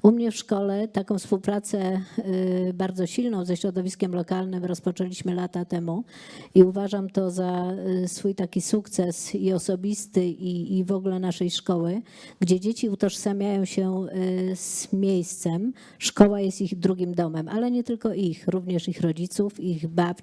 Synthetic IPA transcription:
umɲɛfʂkɔlɛt̪akɔ̃w̃fspuwpɾat̪sɛ | baɾd̪zɔɕilnɔ̃w̃zɛɕɾɔd̪ɔvʲiskʲɛmlɔkalnɘmɾɔspɔt͡ʂɛlʲiɕmɘlat̪at̪ɛmu | iuvaʐamt̪ɔzasfujt̪akʲisukt̪sɛsiɔsɔbʲist̪ɘʔiːvɔɡlɛnaʂɛjʂkɔwɘ | ɡd͡ʑɛd͡ʑet͡ɕiut̪ɔʂsamʲjajɔ̃w̃ɕɛ | z̥mʲjejst̪sɛm | ʂkɔwajɛst̪iɣd̪ɾuɡʲimd̪ɔmɛmʔalɛɲɛt̪ɘlkɔʔixɾuvɲɛʂixɾɔd͡ʑit̪sufiɣbapt͡ɕ

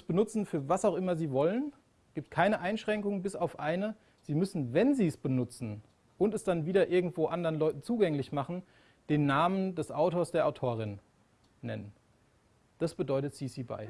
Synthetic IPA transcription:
sb̥ənʊt͡sn̩fyːɐvasaʊxʔɪmɐziːvɔlən | ɡ̥iːp̚t̚kʰaɪnəʔaɪnʃʁ̥ɛŋkʊŋəbɪsaʊfʔaɪnə | z̥iːmʏsn̩vɛnziːsb̥ənʊt͡sn̩ | ʔʊntɛsd̥anviːdɐʔɪɐɡŋ̩tv̥oːʔandəʁənlɔʏtn̩t͡suːɡɛŋlɪçmaχn̩ | d̥eːnːaːməndɛsʔaʊtoːɐsd̥eːɐʔaʊtʰoːʁ̞ɪnː | ɛ̰nən | d̥asb̥ədɔʏtətz̥iːsiːba̰ɪ

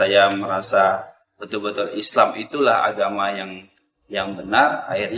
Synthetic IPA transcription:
ajaməɾasa | bət̪ʊlbət̪ʊlislamit̪ulaha̰ɡamajaŋ | jaŋbənara̰ɪrɲ

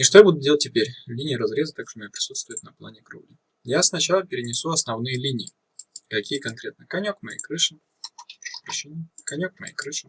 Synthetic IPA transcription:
ɪʂt̪ojabud̪ʊdʲelˠətʲːɪpʲeɾʲlʲinʲɪjɾɐzɾʲe̞zət̪akʂt̪omjapɾʲɪ̥sut̪st̪vʊjʊt̪nɐplˠa̰nʲɪkɾṵblʲɪ | jasnɐt͡ɕalˠəpʲɪɾʲɪnʲɪsuɐsnɐvnɨjəlʲinʲɪː | kɐkʲʰijəkɐnkɾʲet̪nəkɐnʲokmɐjḛjkɾɨʂɨ | pɾʲɪɕinʲɪkɐnʲok̚mɐ̰jḛjkɾɨʂɨ

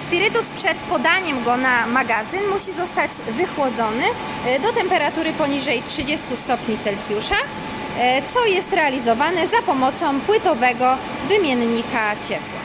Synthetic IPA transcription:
spʲiɾɘt̪uspʂɛt̪pɔd̪aɲɛmɡɔnamaɡazɘnmuɕizɔst̪ad͡ʑvɘxwɔd̪zɔnɘ | d̪ɔt̪ɛmpɛɾat̪uɾɘpɔɲiʐɛjtʂɘd͡ʑɛst̪ust̪ɔpɲisɛlsʲjuʂa | t̪sɔjɛst̪ɾɛalʲizɔvanɛzapɔmɔt̪sɔ̃w̃pwɘt̪ɔvɛɡɔ | vɘmʲjɛnɲikat͡ɕɛpwa̰

